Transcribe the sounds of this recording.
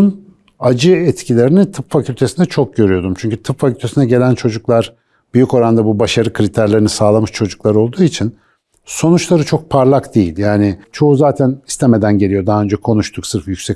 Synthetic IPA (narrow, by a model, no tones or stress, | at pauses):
n | ad͡ʒɯɛt̪cʰilʲe̞ɾinit̪ʰɯpfacʰylʲt̪ʰesind̪ɛt͡ʃʰo̞k̚ɟø̞ɾyjo̞d̪umt͡ʃʰyɲcyt̪ʰɯpfacʰylʲt̪ʰe̞sinɛɟe̞lʲænt͡ʃʰo̞d͡ʒuklˠaɾ | b̥yjyko̞ɾand̪abubaʃaɾɯkʰɾit̪ʰæɾlʲeɾinisaːlˠamɯʃt͡ʃʰo̞d͡ʒuklˠaɾo̞lˠd̪uːit͡ʃʰin | so̞nut͡ʃlˠaɾɯt͡ʃʰo̞k̚pʰaɾlˠakd̪e̞jilʲjaːnɪt͡ʃʰo̞ɦuzaːt̪ʰæni̥st̪ʰeme̞d̪ænɟe̞lʲijo̞d̪aɦaø̞nd͡ʒɛkʰo̞nuʃt̪ʰuksɯɾfjycʲsɛ